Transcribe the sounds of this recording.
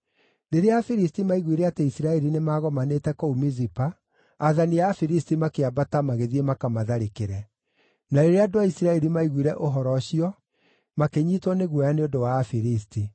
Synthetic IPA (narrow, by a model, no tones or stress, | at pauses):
neɾeafiɾis̬timaiɣwiɾɛateisiɾaɛɾinemaːɣɔmanetɛkɔumizipaː | ðanijafiɾistimakeabatamaɣeðiemakamaðaɾekeɾɛ | naɾeɾeadoaisiɾaɛɾimaiɣwiɾɛʔoɦɔɾɔɕiɔ | makeɲiːtwɔneɣwɔjaneondowafiɾisti